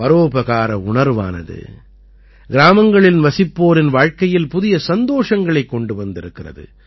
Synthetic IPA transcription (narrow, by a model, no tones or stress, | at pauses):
ɐɾoːbɐɣaːɾɐ̰ʊɳɐɾʋa̰ːnɐ̰ðɯ̰ | ɡɪɾaːmɐŋɡɐɭɪnʋɐsɪpːoːɾɪnʋaːɻkɐjɪlpʊðɪjɐsɐnd̪oːʂɐŋɡɐɭɐɪkːɔɳɖɯʋɐnd̪ɪɾɯkːɪrɐ̰ðɯ̰